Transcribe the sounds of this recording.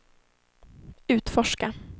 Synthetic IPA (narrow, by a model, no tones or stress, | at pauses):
ʉ̟ːt̪fɔʂka